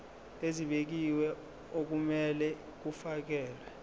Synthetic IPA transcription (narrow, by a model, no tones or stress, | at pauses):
eziɓek̬iwɛ | ok̬umɛlɛ | k̬ufak̬ɛːlɛ